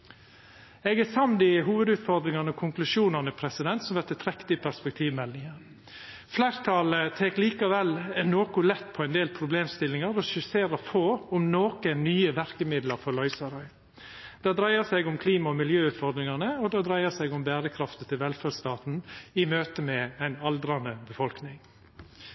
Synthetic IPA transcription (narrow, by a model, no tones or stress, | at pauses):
ɛɡæsɑmnd̪ɪɦuːʋəd̪ʉːt̪fɔɾd̪ɾɪŋɑnəɔkʰʊŋklʉʂuːnɑnəpʰɾɛsɪd̪ɛnt̪sɔmʋɛt̪ɪt̪ʰɾɛkt̪ɪəpʰæɾspɛk̚t̪ʰiːʋmɛlːɪŋəɾ | flæːɾt̪ʰɑːlət̪ʰekliːkɑʋɛlɛnoːkʊlɛt̪ːpʰɔæɪnd̪eːlpʰɾʊbleːmst̪ɪlːɪŋɑɾɔʃʉseːɾəfoːʊmnoːkənnyːəʋæɾkəmɪd̪lɑɾfɔɾlɔʏsɑɾɔʏ | d̪̥ɛd̪ɾæɪəsɛɪɡʊmkʰliːmɑɔmɪljøːʉːt̪fɔɾd̪ɾɪŋɑnəɔd̪ɛd̪ɾæɪəsɛɪɡʊmbæːɾəkʰɾɑft̪ət̪ʰɪlʋɛlfædst̪ɑːt̪n̩ɪmøːt̪əmɛæɪnɑld̪ɾɑnəbəfɔlknɪŋ